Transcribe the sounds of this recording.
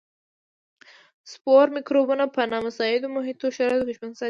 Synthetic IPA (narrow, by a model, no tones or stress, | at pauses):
spoɾmɪkɾobunapənɑmasɑɪd̪omʊɦɪt̪oʃaɾɑjet̪okeʃpaŋsɑ